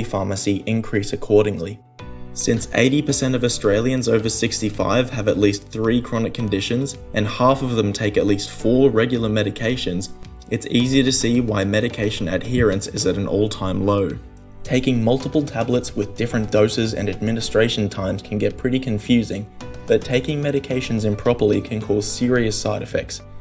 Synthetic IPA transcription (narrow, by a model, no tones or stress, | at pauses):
ifɑɹmɨsiʔɪ̃nkʰɹ̥isɨkʰɔɹɾɪ̃ŋli | sɪ̃nsḛɪɾipə˞sɛ̃ñtʌvɨstɹ̥eɪlˠjɨ̃nzoʊvə˞sɪkstifa̰ɪv̥ɨvətˡlisθɹikʰɹ̥ɑnɨkʰɨ̃n̩dɪʃɨ̃nzʔɨ̃nhæfʌvðə̃mtʰeɪkɨtˡlistfɔɹɹɛɡjl̩ˠə˞mɛɾɨkʰeɪʃɨ̃nz | ʔɨtsiziəɾɨsiwaɪmɛɾɨkʰeɪʃɨ̃nɨ̰d̚hɪɹɨ̃nsɪzɨɾ̃n̩ʔo̰ʊlˠtʰãɪ̃mloʊ | tʰeɪkɪ̃ŋmʌlˠtəpl̩ˠtʰæblətswɨðdɪfɹɨ̃nd̥oʊsɨzɨ̰̃nɨd̚mɪ̃nɨstɹ̥eɪʃɨ̃n̩tʰãɪ̃mz̥kʰn̩ɡɛt̚pʰɹ̥ɪɾikʰɨ̃ɱfjʉzɪ̃ŋb̥ʌtʰeɪkɪ̃ŋmɛɾɨkʰeɪʃɨ̃n̩zɨ̃mpʰɹ̥ɑpə˞likʰɨ̃nkʰɔz̥sɪɹiɨsaɪɾɨfɛ̰k̚ts